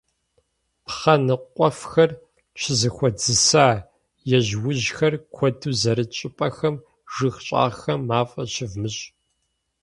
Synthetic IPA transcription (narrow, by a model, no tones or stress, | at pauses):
χɐnɨqʷʼɔfxɐr | t͡ʃʰɪzɨxʷɔd͡zɨsaː | jɛʑwʊʑxɐrkʷʰɔduːzɐɾɨt͡ʃʼɪpʼɐxɐm | ʒɨxɕʼa̰ːxɐmːaːfʼɐɕɪvmɨɕʼ